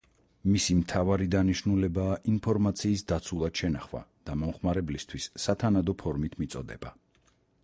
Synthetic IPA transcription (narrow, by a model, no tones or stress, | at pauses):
misimt̪ʰavaɾid̪aniʃnulɛbaːʔinpʰɔɾmat̪sʰiːsd̪at̪sʰulˠad̪̥ʃɛnaχva̰d̪̥amɔmχmaɾɛblist̪ʰwisːat̪ʰanad̪ɔpʰɔɾmit̪ʰmit̪sʼɔ̰d̪ɛ̰ba